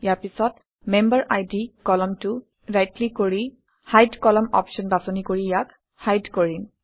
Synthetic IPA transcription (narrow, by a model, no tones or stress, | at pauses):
jaɹpisɔt | mɛmbəɹʔajdikɔlɔmtʊ | ɹajtlikoɹi | hajdkɔlɔmɔ̰pʃɔnbasɔnikoɹijak | hajdkoɹin